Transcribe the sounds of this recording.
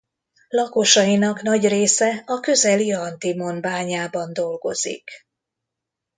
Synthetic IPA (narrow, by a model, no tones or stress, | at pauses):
lɒko̞ʃɒjinɒknɒɟreːsɛɒkø̞zɛliɒnt̪imo̞nbaːɲaːbɒnd̪o̞lɡo̞̰z̥ḭk